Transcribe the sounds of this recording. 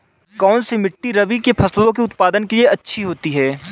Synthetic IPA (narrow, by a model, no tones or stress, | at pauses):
kɔːnsemɪʈːiɾɐbikepʰɐslõkiʊt̪paːd̪ənkelieɐtːʃʰiɦoːt̪iɦɛː